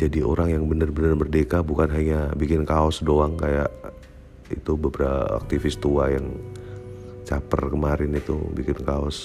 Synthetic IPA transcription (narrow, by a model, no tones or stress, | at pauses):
d͡ʒadio̰ɾaŋjaŋbənərbənərbərdekabukanɦaɲabikɪnkaɔsdoaŋkajaʔ | ḭt̪ubəbəɾa̰a̰k̚t̪ifɪst̪uajaŋ | t͡ʃapə̰rkəmaɾɪnit̪ṵbikɪnkaɔs